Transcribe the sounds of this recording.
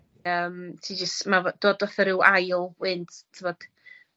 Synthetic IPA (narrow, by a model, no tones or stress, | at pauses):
əːmtʰiːd͡ʒəstmavd̥oːdɔθəɾɪwʔajlˠwɪnttʰevɔd̥